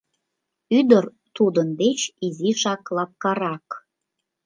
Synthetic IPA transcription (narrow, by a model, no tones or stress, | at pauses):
yd̪ər | t̪ud̪ənd̪et͡ɕiziʃɑklɑp̚kɑɾɑk